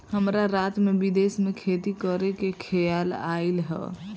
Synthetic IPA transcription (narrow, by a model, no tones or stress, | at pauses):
həmɾaɾat̪mebid̪esmekʰet̪ikəɾekekʰɛjala̰ilɦɛ̰